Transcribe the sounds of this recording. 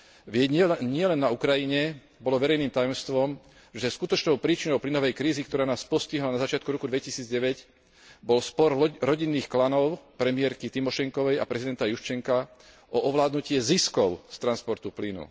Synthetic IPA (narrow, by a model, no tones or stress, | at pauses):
ʋɪɛɟɲɛɲɪɛlɛnːaukɾajiɲɛ | bɔlɔʋɛɾɛjniːmt̪ajɔmst̪ʋɔm | ʒɛskut̪ɔt͡ʃnɔʊpɾiːt͡ʃinɔʊplinɔʋɛjkɾiːzikt̪ɔɾaːnaːspɔsciɦlanazat͡ʃɪat̪̚kuɾɔkud̪ʋɛcisiːd͡zɟɛʋɛɟ | bɔlspɔɾɾɔɟinːiːxklanɔʊpɾɛmɪɛɾkit̪imɔʃɛŋkɔʋɛja̰pɾɛzid̪ɛnt̪ajuʃt͡ʃɛŋka | ʔɔʔɔʋlaːd̪nucɪɛziskɔʊst̪ɾanspɔɾt̪uplinṵ